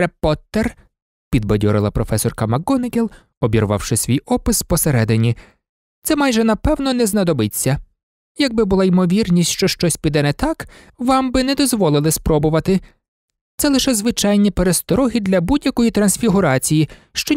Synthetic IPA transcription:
epɔt̪er | pʲid̪̚bɔdʲɔɾɪ̰lˠɐpɾɔfɛsɔrkɐmɐɡɔnɪɡʲelˠ | ɔbʲiɾʊʋɑ̰wʃɪsʲʋʲijɔpɪspɔseɾɛd̪ɪnʲi | t̪sɛmɑjʒɛnɐpɛwnɔnɛznɐd̪ɔbɪt͡sʲːɐ | jɐɡ̚bɪbʊlˠɑimɔʋʲirnʲisʲtʲʃt͡ʃɔʃt͡ʃɔsʲpʲid̪ɛnɛt̪ɑk | ʋɑmbɪnɛd̪ɔzʋɔlˠɪlˠɪspɾɔbʊʋɐt̪ɪ | t̪sɛlˠɪʃɛzʋɪt͡ʃɑjnʲipeɾest̪ɔɾɔɦid̪lʲɐbudʲjɐkɔjit̪ɾɐnsʲfʲiɦʊɾɑt͡sʲijiʃt͡ʃɔ

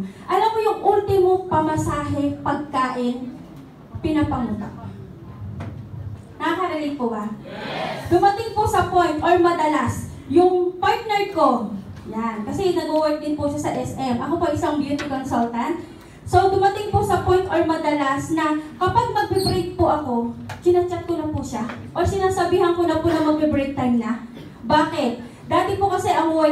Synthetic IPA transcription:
ʔɐlamːojʊŋʔult̪ɪmoŋpɐmɐsaːɦɛpɐɡ̚kaːʔɪn | pɪnɐpɐŋlʊk̪a̰ʔo | nɐakɐɾɐlɪŋpoba | d̪ʊmɐt̪ɪŋposɐpojnt̪ʔoɹmɐd̪ɐlas | jʊŋpaɹt̪̚nɛɹko̞jankɐsɛnɐɡuwɛk̪̚d̪ɪnpʊʃasɐʔɛsɛmʔɐkopoɐjʔɪsɐŋbjut̪ɪkonsult̪ɐnt̪̚ | so̞d̪ʊmɐt̪ɪŋposɐpo̞jnt̪ʔoɹmɐd̪ɐlasnɐkɐpaɡ̚mɐɡ̚bɪbɾejk̚pʊʔɐko̞kɪnaːt͡ʃɐp̚konɐpʊʃa | ʔoɹsɪnaːsɐbiːɦɐnkonɐpʊnɐŋmɐɡ̚bɪbɹek̚t̪ajmnɐ | baːkɪt̪̚ | d̪aːt̪ɛpʊkɐsɛʔɐŋu

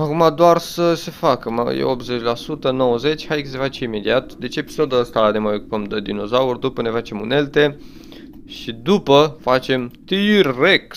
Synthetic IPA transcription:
akumad̪oarsəse̞fakəm̰jḛo̞p̪̚ze̞t͡ʃʲlasut̪əno̞wəze̞t͡ʃʲhajksefat͡ʃeime̞d̪iat̪d̪e̞t͡ʃeeːpi̥sod̪uəst̪ane̞majo̞kupəmd̪əd̪ino̞zaurd̪upəne̞fat͡ʃe̞mune̞lt̪e̞ | ʃid̪upəfat͡ʃe̞mt̪iek

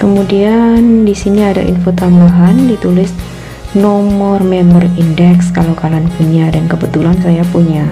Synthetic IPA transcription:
kəmudiandisiniada̰ʔḭnfot̪ambaɦandit̪ulɪs | nɔmmɔrmɛmɔrindɛkskalokalanpuɲadankəbət̪ulansajapuɲa

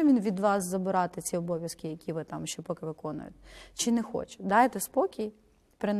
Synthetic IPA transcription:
ɛʋʲinʋʲid̪ʋɑszɐbɪɾɑt̪ɪt͡sʲiɔbɔʋʲjɐskɪjɐkʲiʋɪt̪ɑmʃt͡ʃɔpɔkɪʋɪkɔnʊ̰jʊ̰t̪t͡ʃɪnɛxɔ̰t͡ʃɪ̥d̪ɑjt̪ɛspɔkʲij | pɾɪn

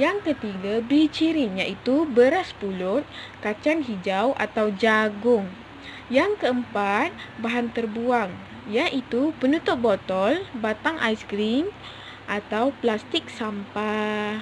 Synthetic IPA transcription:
jaŋkət̪iɡabit͡ʃiɾinjaʔit̪ubəɾaspulʊt̪̚ | kat͡ʃanɦid͡ʒawʔa̰t̪awd͡ʒaɡʊŋ | jaŋkəəmpat̪̚baɦant̪ərbuaŋ | jaʔit̪upənut̪ʊt̪̚bɔt̪ɔlbat̪aŋʔajskɾim | ʔat̪awplast̪ɪk̚sampa

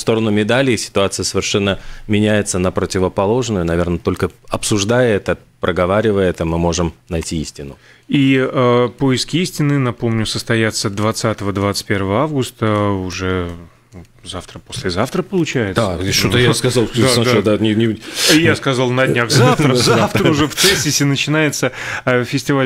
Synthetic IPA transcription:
fst̪o̞ɾənʊmʲɪd̪alʲɪɪsʲɪ̥t̪ʊat̪sɨjəsəvʲɪrʂɛnːəmʲɪnʲæjɪt̪sənəpɾətʲɪvəpɐlˠo̞ʐnʊjʊnɐvʲe̞rnət̪o̞lʲkəɐpsʊʐd̪ajəɛt̪ə | pɾəɡɐvaɾʲɪvəjəɛt̪əmɨmo̞ʐɨmnɐjtʲiisʲtʲɪnʊ | iəpoɪskʲɪisʲtʲɪnːɨnɐpo̞mnʲʊsəst̪ɐjat̪səd̪vɐt̪sat̪əvəd̪vat̪sɨ̥t̚ʲpʲeɾvəvəavɡʊst̪əʊʐɛ | zaft̪ɾəpo̞sʲlʲɪzaft̪ɾəpəlˠʊt͡ɕæjɪt̪d̪aeʂt̪ot̪əjaskɐzalˠd̪aad̪ad̪anʲɪnʲɪjaskɐzalˠnɐdʲnʲaɣzzaft̪ɾəzaaft̪ɾəʊʐɛft̪sɛsʲːɪsʲɪnət͡ɕɪnajɪt̪səfʲɪsʲtʲɪvalʲ

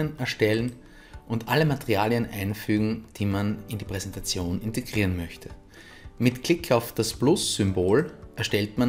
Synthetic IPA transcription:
ənɛɐʃtɛlən | ʔʊntʔaləmateʁiaːljənʔa̰ɪnfyːɡŋ̩d̥iːmanɪndiːpʁ̥ɛzɛntat͡sjoːnɪnteɡʁiːʁənmœçtʰə | mɪtkl̥ɪkʰaʊfd̥asb̥lʊsːʏmboːlʔɛɐʃtɛltman

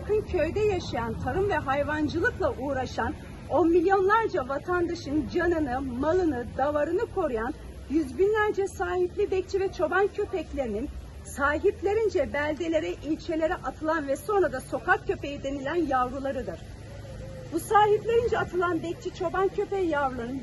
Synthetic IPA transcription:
kɯncʰø̞jd̪ɛjaʃajant̪ʰaɾɯmvɛɦajvand͡ʒɯlˠɯklˠaʔuːɾaʃan | o̞nmilʲjo̞nlˠaɾd͡ʒavat̪ʰand̪aʃɯnd͡ʒanɯnɯmalˠɯnɯd̪avaɾɯnɯkʰo̞ɾujan | jyzbinlʲæɾd͡ʒɛsaːhiplʲibɛc̚t͡ʃʰivɛt͡ʃʰo̞bancʰø̞pɛclʲe̞ɾinin | saːɦiplʲe̞ɾind͡ʒɛbælʲd̪elʲe̞ɾɛʔilʲt͡ʃʰe̞lʲe̞ɾɛʔat̪ʰɯlˠanvɛso̞nɾad̪aso̞kʰak̚cʰːø̞pe̞jid̪e̞nilʲænjavɾɯlˠaɾɯd̪ɯɾ̥ | busaːɦiplʲe̞ɾind͡ʒɛat̪ʰɯlˠanbɛc̚t͡ʃʰit͡ʃʰo̞bancʰø̞pɛjavɾlˠɯɾɯn

